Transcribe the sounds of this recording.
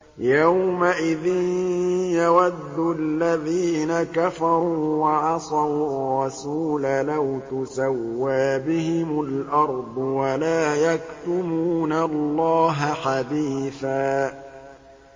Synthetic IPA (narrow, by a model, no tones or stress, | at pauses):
jawmaʔɪðɪnjawad̪ːʊalːaðiːnakafɑɾuːwɑʕɑsˤɑwrˤːɑsuːlalawt̪ʊsawːaːbɪhɪmʊlʔɑɾˤd̪ˤʊwalaːjakt̪ʊmuːnalːɑːɦaħad̪iːθaː